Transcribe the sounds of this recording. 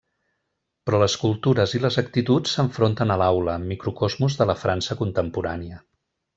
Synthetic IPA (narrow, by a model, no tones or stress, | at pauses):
pɾɔləskulˠt̪uɾəziləzəkt̪it̪ut͡sːəɱfɾont̪ənəlawləːmːikɾukɔzmuzðələfɾansəkunt̪əmpuɾa̰niə